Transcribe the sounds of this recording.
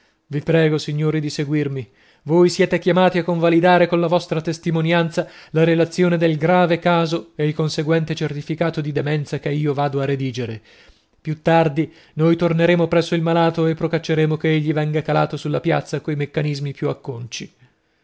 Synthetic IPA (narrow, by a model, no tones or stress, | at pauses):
vipɾɛːɡosiɲːoːɾid̪iseɡwirmi | voːjsjɛːt̪ekjamaːt̪iakːoɱvalid̪aːɾekonlavɔst̪ɾat̪est̪imonjant̪salaɾelat̪sːjoːned̪elɡɾaːvekaːzoeilkonseɡwɛnt̪et͡ʃert̪ifikaːt̪od̪id̪emɛnt̪sakeiːovaːd̪oared̪iːd͡ʒeɾe | pjut̪ːard̪i | nojt̪orneɾeːmopɾɛsːoilmalaːt̪oepːɾokat͡ʃːeɾeːmokeeʎːivɛŋɡakala̰ːt̪osulːapja̰t̪sakojmekːanizmipjuakːont͡ʃi